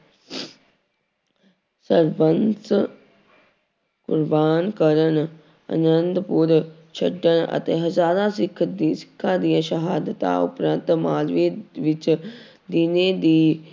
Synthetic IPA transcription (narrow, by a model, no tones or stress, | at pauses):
səɾbəns | kʊɾbaːnkəɾən | ə̰nənd̪pʊɾ | t͡ʃʰəɖənə̰t̪eːɦəzaːɾaːsɪkʰːd̪iːsɪ̥kʰːaːd̪ijãʃəɦaːd̪ət̪a̰ːʊ̰pɾənt̪maːzʋeʋɪt͡ʃ | d̪ɪned̪iː